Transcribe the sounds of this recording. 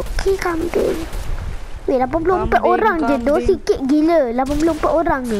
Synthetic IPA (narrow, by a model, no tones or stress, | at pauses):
kʰikampḛ | welap̬anp̬ulompɛt̪ʔoɾaŋd͡ʒədosikɪʔ̚ɡiləlap̬anpulompɛʔoɾaŋ